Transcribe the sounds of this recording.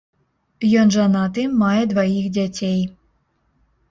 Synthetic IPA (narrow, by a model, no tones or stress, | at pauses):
jɔnʐanat̪ɨmajɛd̪vajixd͡zʲat͡sʲej